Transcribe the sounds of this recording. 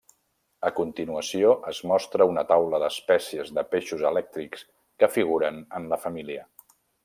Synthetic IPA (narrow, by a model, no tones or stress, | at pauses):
əkunt̪inuəsioʔəzmɔst̪ɾəunət̪awləðəspɛsiəzðəpeʃuzəlɛk̚t̪ɾiks | kəfiɣ̞uɾənənləfəmiliə